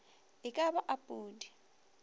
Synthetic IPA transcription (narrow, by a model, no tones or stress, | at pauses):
ɪkʼabaʔapʼuːdi